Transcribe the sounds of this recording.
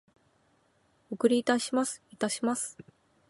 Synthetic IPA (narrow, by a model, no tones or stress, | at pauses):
okɯ̟ɾʲiːt̪aɕimasɨ̥it̪aɕimasɨ̥